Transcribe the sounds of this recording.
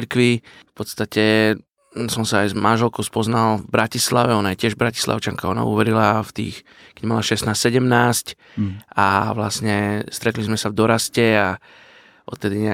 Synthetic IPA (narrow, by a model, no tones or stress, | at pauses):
ɾkʋifpɔt̪st̪acɛ | sɔmsaːjzmanʒɛlkɔʊspɔznalvbɾacislaʋɛɔnajɛcɪɛʒbɾaci̥sla̰ʊt͡ʃaŋkaɔna̰ṵʋɛɾilaft̪ḭːx | kɛmalaʃɛst̪naːst̪sɛɟɛmnaːsc | a̰ʋla̰sɲɛst̪ɾɛt̪lizmɛsavd̪ɔɾascɛa | ʔɔ̰t̪ːɛd̪iɲɛ